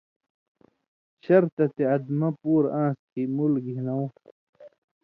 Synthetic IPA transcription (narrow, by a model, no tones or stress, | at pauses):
ɕɐɾt̪ɐt̪eɐd̪mɐpuːɾãːskimulɡʱinɐw